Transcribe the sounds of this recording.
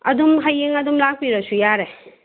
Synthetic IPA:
ɐ̰dumɦajiŋɐdumlak̚piɾɐsujaɾe

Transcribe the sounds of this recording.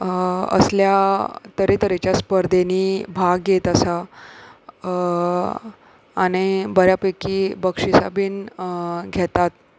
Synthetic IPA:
ə̰sljat̪əɾet̪əɾet͡ɕjaspəɾd̪ʱenibʱaɡɡet̪əsa | ɽ̃ibəɾjapəkiːbəkʂisabiːn | ɡʱɛt̪at̪̚

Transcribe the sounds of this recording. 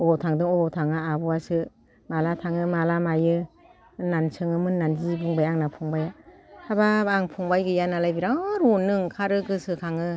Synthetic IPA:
ɔtʰaŋdɯŋɔtʰaŋɯabɔasɯ | malatʰaŋɯmalamajɯ | nːansʰɯŋɯmɯnːanzɯbuŋbajaŋnapʰuŋbajaababaŋpʰuŋbajɡɯjanalajbiɾaɾɔnːɯŋkʰaɾɯɡɯsɯkʰaŋɯ

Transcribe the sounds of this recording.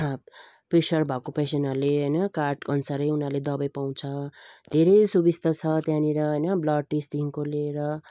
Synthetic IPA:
prisʌrbʱakopesenʌrleɦʌjnʌkarʈkʌnsaɾʌjunarled̪ʌbʌjpaw̃t͡sʰʌd̪ʱeɾʌjsubist̪ʰʌt͡sʰʌt̪jãniɾʌɦʌjnʌblʌɖ̚ʈist̪iŋkoleɾʌ

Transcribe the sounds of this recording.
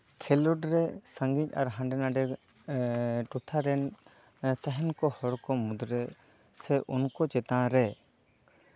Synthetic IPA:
kʰɛlɔʈɾɛsə̃ŋɡiɲa̰ɾɦãɳɖɛnaɖɛ | ʈut̪ʰaɾɛn | t̪aɦɛnkɔhɔɾkɔmud̪ɾɛ | sɛʔunkɔt͡ʃɛt̪ãɾɛ

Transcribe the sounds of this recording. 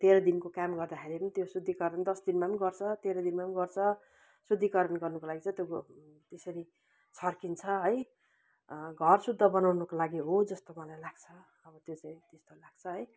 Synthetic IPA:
t̪eɾʌd̪inkokamɡʌrd̪axʰeɾepʌnit̪josud̪ʱːikʌɾʌnd̪ʌsd̪inmapʌniɡʌrt͡sʰʌt̪eɾʌd̪inmapʌniɡʌrt͡sʰʌ | sud̪ʱːikʌɾʌnɡʌrnʌkolaɡit͡saĩt̪jo | t̪esʌɾi | t͡sʰʌrkint͡sʰʌɦʌj | ɡʱʌrsud̪ʱːʌbʌnawnʌkolaɡiɦod͡zʌst̪omʌlajlaɡ̥t͡sʰʌː | bʌt̪jot͡saĩt̪est̪olaɡ̥̚t͡sʰʌɦʌj

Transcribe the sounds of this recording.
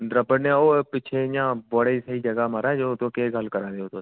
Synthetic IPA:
d̪ɾəbəɽnoːpɪt͡ʃʰejãːbəɽiːsəɦiːd͡ʒəɡaːməɾaːd͡ʒoːt̪õːkeːɡəlkəɾãːd̪eːoːt̪oː

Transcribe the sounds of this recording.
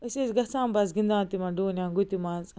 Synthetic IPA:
ɐsesɡɐsãːmbɐs̬ɡĩnd̪ãːt̪imɐ̃ɖoːnjãːɡut̪imãːz

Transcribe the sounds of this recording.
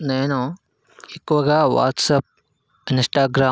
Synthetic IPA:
nenoː | ikʋɐɡaːʋa̰ːtsɐp̚ | ɪnsʈaːɡɾaː

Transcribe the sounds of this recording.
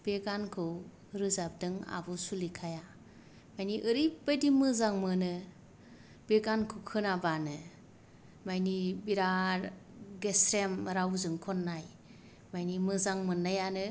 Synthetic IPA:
b̥eɡankʰɯw | ɾɯzap̚dɯŋa̰bɯsulikʰaja | majniʔɯɾibajdimɯzaŋmɯnɯ | b̥eɡankʰɯwkʰɯnabanɯ | majnibiɾa | ɡesɾemɾawzɯŋkʰɔnːaj | majnimɯzaŋmɯnːajanɯ

